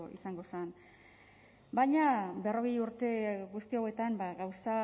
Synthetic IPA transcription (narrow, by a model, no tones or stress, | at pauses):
ḭsaŋɡo̞san | bajɲabe̞ro̞ɣejuɾt̪e̞ɣust̪iowe̞t̪ambaɣawsa